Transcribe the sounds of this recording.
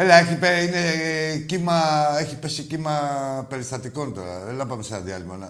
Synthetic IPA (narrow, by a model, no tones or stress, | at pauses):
eleɐeçipeinecimɐeçipesicimɐpe̞ɾist̪ɐt̪iko̞nt̪o̞̰ɾɐ̰ðelɐvɐmesenɐðiɐ̰limɐnɐ̰